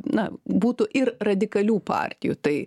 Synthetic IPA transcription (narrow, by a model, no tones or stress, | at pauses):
nɐbuːt̪ʊʔɪrrɐd̪ʲɪkɐlʲuːpɑ̰ːrʲt̪ʲɪjut̪ɐɪ